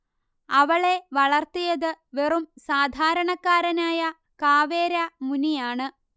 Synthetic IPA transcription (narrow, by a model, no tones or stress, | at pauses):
ɐʋɐɭe̞ʋɐɭɐrt̪ijɐðɨʋerumsaːd̪ʱaːɾɐɳɐkːaːɾɐnaːjɐ | kaːʋeːɾɐmunijaːɳɨ